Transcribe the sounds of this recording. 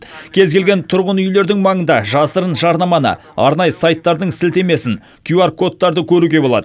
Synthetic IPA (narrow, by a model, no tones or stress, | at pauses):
kʲʰe̞zkʲe̞lɡʲe̞nt̪ʰʊɾʁənʏjle̞ɾd̪ɪŋmɑɴənd̪ɑʒɑsəɾənʒɑɾnɑmɑnə̰ | ɑ̰ɾnɑjəsajt̪ːɑɾd̪əɴsɪlt̪e̞me̞sɪn | kʲʰuaɾkʰo̞t̪ːɑɾd̪əkʲʰɵɾuɡʲe̞bo̞lˠɑ̰d̪ə